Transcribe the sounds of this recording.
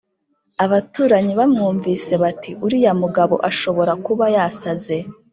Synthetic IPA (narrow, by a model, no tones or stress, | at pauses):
aβatuːɾaɲiβamŋuːɱviːse̞βatiʔuɾijamuɡaβo̞̰ʔaʃo̞βo̞ɾakuβajasaze̞